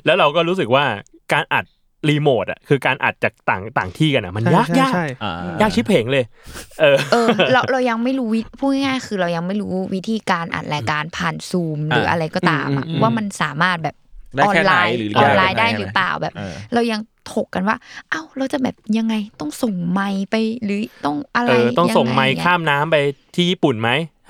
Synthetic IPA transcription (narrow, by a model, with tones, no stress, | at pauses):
lɛ˦˥wɾa˧wkɔː˥˩ɾuː˦˥s̬ɯ˨˩k̚waː˥˩ | kaː˧nʔa̰˨˩t̪̚ | ɾiː˧moː˨˩t̪̚ʔa̰˨˩kʰɯː˧kaː˧nʔa̰˨˩t̪̚t͡ɕaː˨˩k̚t̪aː˨˩ŋt̪aː˨˩ŋt̪ʰiː˥˩ka˧nʔa˨˩ma˧njaː˥˩kjaː˥˩kjaː˥˩k̚t͡ɕʰi˦˥t̚pʰe˨˩˦ŋlɤː˧jʔɤː˧ʔɤː˧ɾa˧wɾa˧wja˧ŋma˥˩jɾuː˦˥wi˦˥pʰu˥˩ha˥˩jŋaː˥˩jkʰɯː˧ɾa˧wja˧ŋma˥˩jɾuː˦˥wi˦˥t̪ʰiː˧kaː˧nʔa̰˨˩t̪̚ɾɛː˧kaː˧npʰaː˨˩nsuː˧mɾɯː˩˦˥ʔa̰˧ɾa˧jkɔː˥˩t̪a̰ː˩˧mʔa̰˨˩ʔwaː˥˩ma˧nsaː˩˦maː˥˩t̪̚bɛː˨˩p̚ɔː˧nlaaː˧jʔɔː˧nlaː˧jdaː˥˩jɾɯː˨˦pla̰ː˨˩wbɛː˨˩p̚ɾa˧wja˧ŋt̪ʰo˨˩kːa˧nwaː˥˩ʔa˧˩wɾa˧wt͡ɕa˨˩bɛː˨˩p̚ja˧ŋːa˧jt̪ɔ˥˩ŋso˨˩ŋma˧jpa˧jɾɯː˩˦t̪ɔ˥˩ŋʔa˧ɾʔaː˧j̪ɔ˥˩ŋa˧so˨˩ŋma˧jkʰaː˥˩mnaː˦˥mpa˧jt̪ʰiː˥˩jiː˥˩pu˨˩nma˦˥j